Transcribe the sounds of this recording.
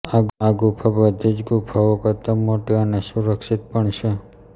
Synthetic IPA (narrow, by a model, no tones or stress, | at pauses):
aaɡupʰabəd̪ʱid͡ʒɡupʰaokət̪əmːoʈeənesuɾəkʃit̪̚pəɳt͡ʃʰe